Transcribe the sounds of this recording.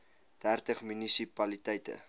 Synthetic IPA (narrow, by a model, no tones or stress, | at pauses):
d̥ærtəχmynisipɐlitɛjtə̰